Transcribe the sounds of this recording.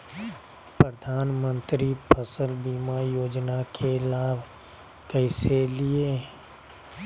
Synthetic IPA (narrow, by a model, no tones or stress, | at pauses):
pɾəd̪ʱaːnmə̃nt̪ɾipʰəsəlbiːmajoːd͡ʒnakʰelaːbʱ | kɛɪselie